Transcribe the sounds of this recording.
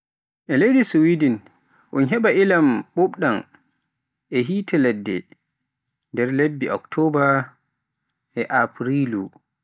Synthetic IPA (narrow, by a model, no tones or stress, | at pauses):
ʔɛlejdisuwidin | ʔunɦɛɓaʔilamɓuɓɗan | ʔɛɦiːtɛlɛdːɛ̰ | ndɛɾlebːiʔɔktʰɔba | ɛʔapɾilu